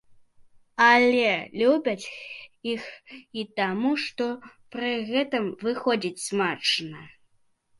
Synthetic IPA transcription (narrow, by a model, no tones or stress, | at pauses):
ɐlʲɛlʲubʲɐt͡sʲixit̪amuʂt̪ɔpɾɨɣɛt̪ɨmvɨxɔd͡zʲit͡sʲsmat͡ʂnɐ